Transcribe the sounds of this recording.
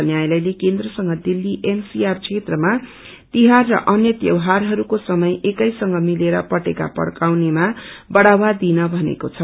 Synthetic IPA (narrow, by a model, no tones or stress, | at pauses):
ʌnjajlajlekend̪rʌsʌŋɡʌd̪ilːiʔensiarkt͡sʰet̪rʌma | t̪iɦarːʌ̰ʔʌnjʌt̪jʌ̰wɦarɦʌɾukosʌmʌjʔekʌjsʌŋɡʌmileɾʌpʌʈeka̰pʌ̰ɽkawnemabʌɽawad̪inʌbʱʌnḛkot͡sʰʌ